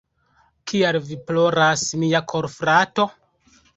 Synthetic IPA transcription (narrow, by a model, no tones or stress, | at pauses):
kʰialviploɾasmijakʰoɾfɾato̞